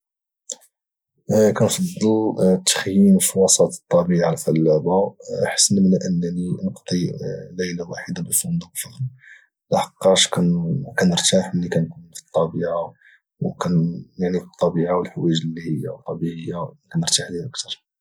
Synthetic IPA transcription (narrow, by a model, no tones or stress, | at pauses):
kænfɑd̪ˤːəlt̪ːə̥xjinfiwɑsˤɑt̪t̪ˤːɑbiʕalfælːæbaħə̥sːənmənʔənːæninəqt̪ˤiləjlawaħid̪abəfmɑnd̪uqlfəɣl | laħɑqːɑʃkænkænəɾt̪aħmlikænkunfi̥t̪ˤːɑbiʕa | wkænjaʕnit̪ˤːɑbiʕawəlħwæʒlːihəjːa̰wt̪ˤːɑbiʕəjːakænəɾt̪aħd̪ʔək̚t̪ɑɾˤ